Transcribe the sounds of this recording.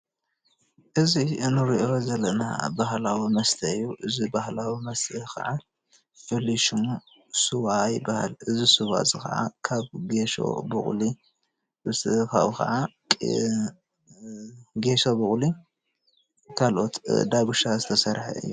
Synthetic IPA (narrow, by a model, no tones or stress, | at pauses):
ʔɨziɨnɨɾiʔo̞zɐlɐna̰bahlawimɐst̪ʰɐɨjːuʔɨzibahlawimɐst̪ʰɨkʰɐ̰ʕa | fɨliʃum | suβaːjɪbːaha̰lɨzisuβa̰zɨkɐ̰ʔa̰kʰaβɡeʃo̰bɨ̰χʼli | ɨst̪ʰɨka̰kʰɐ̰ʕa | kʼ | ɡe̞ʃobɨχʼli | kʰalʔo̞t̪d̪aɡuʃazɨt̪ʰɐsɐɾħa̰ɨ̰jːu